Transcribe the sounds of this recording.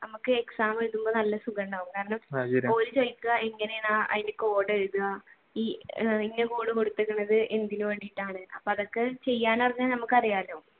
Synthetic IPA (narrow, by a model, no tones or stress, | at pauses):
nɐmukːɨeksaːmeɻt̪ːumbo̞ːnɐlːɐsuɡɐɳɖaːʋumkaːɾɐɳɐmapo̞ːlisojikːuɣɐeŋːɐnejnaːʔɐ̰ðindekoːɽeɻk̪uɣɐ | iːiŋːɐkuːɽɨko̞ɽut̪ːɐkːɐɳːɐðɨʔe̞nd̪inuʋe̞ːɳɖiʈːaːɳɨʔɐ̰pːoːɐðokːet͡ɕe̞jːaːnɐriɲːaːlnɐmukːɐrijaːloː